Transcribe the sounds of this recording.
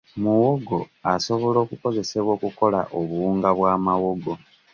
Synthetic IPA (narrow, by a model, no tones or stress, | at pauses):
muwo̞ɡo̞aso̞βo̞lo̞ːkuko̞ze̞se̞βwo̞ːkuko̞la̰ʔoβuuːŋɡaβwaːmawoɡo̞